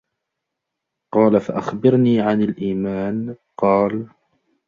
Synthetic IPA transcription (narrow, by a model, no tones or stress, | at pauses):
qɑːlafaʔaxbɪɾniːʕanalʔiːmaːn | qɑːl